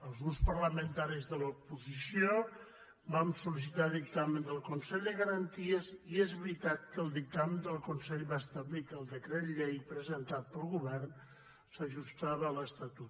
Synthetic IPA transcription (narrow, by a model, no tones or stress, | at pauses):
əlˠzɣuspərləmənt̪aɾizðələupuzisio | bamsulis̬it̪aðik̚t̪amənd̪əlˠkunsɛʎd̪əɣəɾənt̪iəziezβɾit̪at̪̚kəlˠd̪ik̚t̪amənd̪əlˠkunsɛʎβast̪əβlikəlˠd̪əkɾet̪ʎejpɾəzənt̪at̪̚pəlˠɣuβɛrn | səʒust̪aβəːləst̪at̪ut̪̚